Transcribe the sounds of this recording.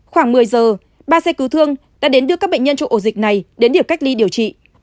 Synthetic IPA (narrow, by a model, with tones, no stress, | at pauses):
xwaː˧˩ŋmɨ˨˩əjzəː˨˩ | ɓaː˧sɛ˧kɨ˨˦wt̪ʰɨ˧əŋ | ɗa̰ː˧˥ɗe˨˦nɗɨ˧əkaː˦˥k̚ɓə˧˨ŋɲə˧nt͡ɕɔ˧wʔo˧˩zï˨˩k̟̚na˨˩jɗe˨˦nɗi˨˩əwka˦˥k̟̚li˧ɗi˨˩əwt͡ɕḭ˧˨